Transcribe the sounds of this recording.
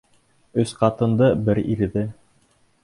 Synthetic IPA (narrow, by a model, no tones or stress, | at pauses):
ɵsqɑt̪ɤ̆nd̪ɤbɘɾiɾðɘ